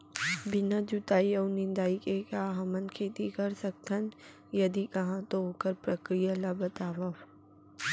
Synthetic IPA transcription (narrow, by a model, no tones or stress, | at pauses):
bɪnad͡ʒut̪aːiɐunɪ̃nd̪aːikekaɦɐmənkʰeːt̪ikɐɾsɐk̚t̪ʰən | jɐd̪ikɐɦãt̪ooːkəɾpɾɐkɾijalabət̪aːʋəʋ